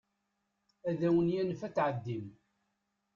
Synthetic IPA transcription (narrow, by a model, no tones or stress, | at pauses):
æðæwənjænəfæt͡sːʕəd̪ːim